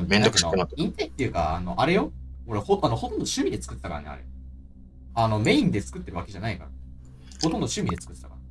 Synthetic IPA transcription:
mend̪oknonaĩnt̪et̪ːeɯ̟ka̰ano̞ʔaɾe̞jo̞oɾehoanoho̞t̪ond̪oɕɨmʲid̪e̞t͡sɨ̥kɯ̟t̪ːet̪akaɾa̰nḛa̰ɾḛ | ano̞me̞ĩnd̪et͡sɨ̥kɯ̟t̪ːe̞ɾɯ̟ake̞ʑanaika̰ɾa̰ | hot̪ond̪oɕɨmʲid̪e̞t͡sɨ̥kɯ̟t̪et̪aka̰ɾ

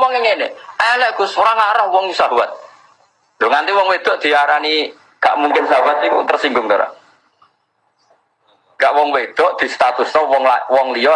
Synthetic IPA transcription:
mɔŋɪŋeneajalɛɡusoɾaŋaɾahwɔŋsaɦuwat̪̚ | nd̪oŋant̪iwɔŋwed̪̥ɔʔd̪̥i̤aɾani | ka̰ʔmuŋkɪnsaɦuwat̪̚ikʊ̰t̪ərsiŋɡʊŋt̪oɾa̰ | ŋɡaʔwɔŋwed̪̥ɔ̤ʔd̪̥i̤st̪at̪usɔwɔŋawɔŋliɔ

